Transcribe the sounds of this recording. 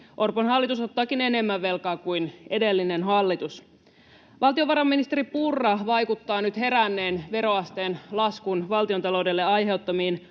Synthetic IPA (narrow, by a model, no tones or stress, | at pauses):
ʔo̞rponɦɑlːit̪uso̞t̪ːɑːkine̞ne̞mːæʋːe̞lkɑːkujne̞de̞lːinenɦɑlːit̪us | ʋʔɑlt̪io̞ʋɑɾɑmːinist̪e̞ɾipurːɑʋɑjkut̪ːɑːnyt̪he̞ɾænːeːnʋe̞ɾo̞ɑst̪e̞ːnlɑskunʋɑlt̪iont̪ɑlo̞wdelːeɑjɦe̞wt̪ːɑmiːn